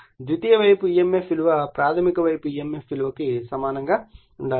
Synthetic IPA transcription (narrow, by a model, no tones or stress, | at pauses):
d͡ʒ̪ut̪ijɐʋɐjpuijemːefilʋɐpɾaːt̪ʰɐmikɐʋɐjpuijemːefilʋɐkisɐmaːnɐŋɡaː | uɳɖaː